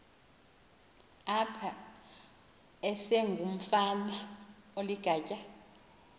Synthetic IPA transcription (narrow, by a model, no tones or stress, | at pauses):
apʰa | ɛsɛŋɡʱum̩fama | oliɡ̥ʱaːcʼa